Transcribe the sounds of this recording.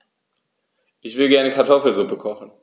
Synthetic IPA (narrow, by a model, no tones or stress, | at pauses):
ʔɪçv̥ɪlɡɛɐnəkʰaɐtʰɔfl̩zʊpəkʰɔχn̩